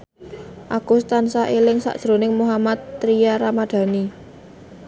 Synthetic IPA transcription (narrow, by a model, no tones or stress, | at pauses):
ʔaɡ̥ust̪ansaʔelɪŋsa̰ʔd̥ʒ̥ɾo̤nɪŋmuɦamat̪ːɾiaɾamad̪̥ä̤ni